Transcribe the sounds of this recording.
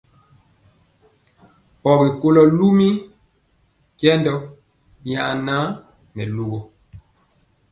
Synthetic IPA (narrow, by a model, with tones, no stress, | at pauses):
pɔ˨bi˨ko˦lɔ˦lu˦mi˦ | kjɛ˦ndɔ˦ | ɲa̰˨ʔnã˦ | nɛ˨lu˦ɣo˨